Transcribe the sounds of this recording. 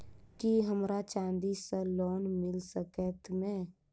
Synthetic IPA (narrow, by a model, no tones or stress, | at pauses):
kiɦəmɾat͡ʃãːnd̪isəlɔːnmɪlsəkɛːt̪mɛ̃ː